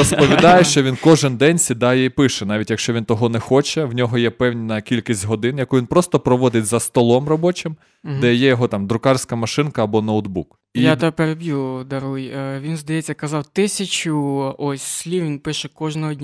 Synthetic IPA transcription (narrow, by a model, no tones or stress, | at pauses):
ɔspɔʋʲid̪ɑjʊʃt͡ʃɔʋʲinkɔʒɪnd̪ɛnʲsʲid̪ɑjɛipɪʃɛnɑʋʲitʲjɐkʃt͡ʃɔʋʲint̪ɔɦɔnɛxɔt͡ʃɛwnʲɔɦɔjɛpɛwnʲinɐkʲilʲkʲisʲtʲɦɔd̪ɪnjɐkuʋʲinpɾɔst̪ɔpɾɔʋɔd̪ɪtʲzɐst̪ɔlˠɔmrɔbɔt͡ʃɪm | d̪ɛjɛjɔɦɔt̪ɑmd̪ɾʊkɑrsʲkɐmɐʃɪnkɐːbɔnɐwd̪buk | ijat̪ɑpeɾebʲjud̪ɐɾujʋʲinzd̪ɐjɛt͡sʲːɐkɐzɑwt̪ɪsʲɐt͡ʃʊɔsʲsʲlʲiwʋʲinpɪʃɛkɔʒnɔɦɔdʲnʲ